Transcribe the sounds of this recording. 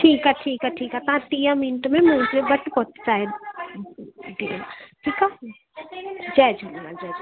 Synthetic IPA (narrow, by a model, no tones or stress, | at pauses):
ʈʰiːkaʈʰiːkaʈʰiːkat̪əɦãʈijãmɪnʈmemusmebəʈpɔt̪t͡ʃaːɦe | ɖiə̰nʈʰiːka | d͡ʒɛːd͡ʒʱolnad͡ʒɛːd͡ʒ